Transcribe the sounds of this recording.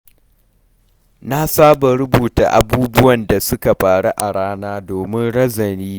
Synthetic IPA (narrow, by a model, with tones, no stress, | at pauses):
na˦saː˦ba˨ɾʊ˦buː˨ta̰˨ʔa̰˨buː˦bʊ˦wɐ˨nda˨sʊ˦ka˨ɸaː˨ɽu˦ʔa˨ɽaː˦naː˦doː˨mɪ˦nɽɐ˦zɐ˨niː˦